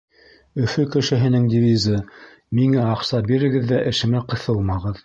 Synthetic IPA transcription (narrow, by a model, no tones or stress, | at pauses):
ɵ̆fɵkɘ̆ʃɘ̆ɦɘ̆nɘŋd̪ʲivʲizɤ | miŋæɑqsɑbiɾɘ̆ɡɘ̆ðːæʔɘ̆ʃɘ̆mæqɤ̆θɤlˠmɑʁɤð